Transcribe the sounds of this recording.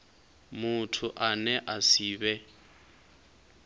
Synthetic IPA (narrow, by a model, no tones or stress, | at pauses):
mʊtʰʊʔanɛʔasiːbɛ